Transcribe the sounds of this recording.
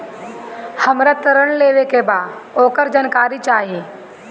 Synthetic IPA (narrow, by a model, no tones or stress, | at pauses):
həmɾat̪əɾəɳleːʋekebaːd̪oːkəɾd͡ʒənkaːɾit͡ʃaːɦi